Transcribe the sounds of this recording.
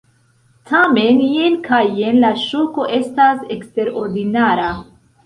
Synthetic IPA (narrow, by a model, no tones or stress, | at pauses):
tʰame̞njenkʰajenlaʃoko̞ʔe̞stasekste̞ɾo̞ɾdinaɾa